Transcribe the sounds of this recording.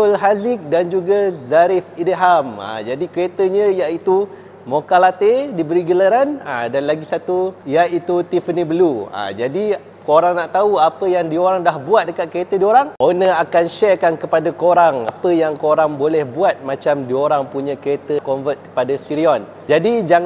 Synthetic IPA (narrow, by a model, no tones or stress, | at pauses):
t̪ʊlɦazɪk̚dand͡ʒuɡazaɾifideɦama̰d͡ʒadikəɾet̪əɲə̃jaʔit̪u | mokalat̪edibəɾiɡələɾana̰danlaɡisat̪ujaʔit̪ut̪ifənibəlua̰d͡ʒadi | koɾaŋnaʔt̪auapəjaŋdioɾaŋdahbuat̪̚dəkat̪̚kəɾet̪ədioɾaŋʔonəakanʃɛrkankəpadakoɾaŋapəjaŋkoɾaŋbolɛhbuat̪̚mãt͡ʃamdioɾaŋpuɲãkəɾet̪əkɔmvət̪̚kə̥padasiɾiɔn | d͡ʒadid͡ʒaŋ